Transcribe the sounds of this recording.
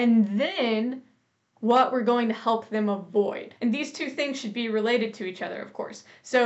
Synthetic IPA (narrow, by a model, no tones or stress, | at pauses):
ɨ̃nðɨ̃n | wʌʔwʔəɹɡoʊɪ̃ŋtʰɨhɛlˠp̚ðɨ̃məvɔɪd̥ɨ̃nðiz̥tʰʉθɪ̃ŋz̥ʃɨd̚biɹɨleɪɾɨd̚tʰɨit͡ʃʌðə̰˞ʌ̰v̥kʰɔ̰ɹsːoʊ